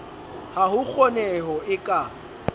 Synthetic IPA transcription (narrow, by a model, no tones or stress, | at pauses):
hahʊk͡xʰɔnɛɦɔʔɪkʼa